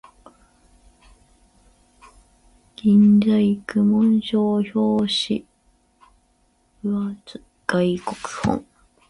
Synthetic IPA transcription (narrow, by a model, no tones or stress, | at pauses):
ɡ̥ʲĩnd͡zaikɯmõɰ̃ɕoːçoːɕi | at͡s | ɡ̥aikokɯ̥hõ̰ŋ